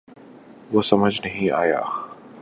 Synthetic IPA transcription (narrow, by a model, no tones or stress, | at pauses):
ʋoːsɐməd͡ʒnɐɦĩaːja̰ː